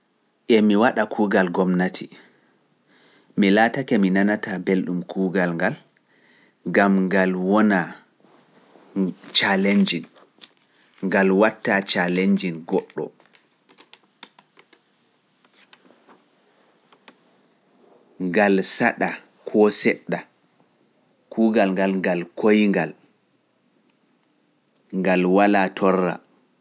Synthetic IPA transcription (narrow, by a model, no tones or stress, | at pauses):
ʔɛmiwaɗakʰuːɡalɡɔmnatʰi | milaːtakɛminanatabelɗumkʰuːɡalŋɡal | ɡamŋɡalwɔna | t͡ʃaleɲd͡ʒin | ŋɡalwatːat͡ʃaleɲd͡ʒinɡɔɗːɔ̰ | ŋɡalsaɗa | kʰɔsɛɗːa | kuːɡalŋɡalŋɡalkojŋɡal | ŋɡalwalaːtʰɔrːa̰